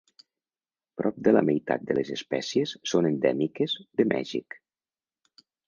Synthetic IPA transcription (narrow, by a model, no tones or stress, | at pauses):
pɾɔp̚d̪ələ̰məjt̪a̰t̪̚d̪ələzəspɛsiəsːonənd̪ɛmikəzðəmʔɛ̰ʒḭk